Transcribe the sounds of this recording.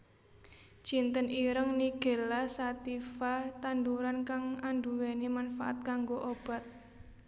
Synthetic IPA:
d̥ʒ̥i̤nt̪əniɾəŋniɡ̥e̤lasat̪ifat̪and̪uɾankaŋand̪uwenimanfa̰ʔa̰t̪̚kaŋɡoʔob̥a̤t̪̚

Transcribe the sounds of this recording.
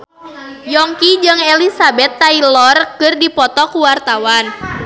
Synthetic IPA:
jɔŋkid͡ʒɨŋɛlisabɛt̪ːailɔrkɨrdipɔt̪ɔkuwart̪awan

